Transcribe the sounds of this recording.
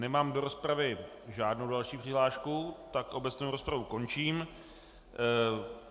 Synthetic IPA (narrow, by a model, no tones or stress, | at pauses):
nɛmaːmdo̞ɾo̞spɾavɪ | ʒaːdnowdalʃiːpr̝̥ɪɦlaːʃkut̪akʔo̞bɛt͡snowɾo̞spɾavuko̞nt͡ʃiːm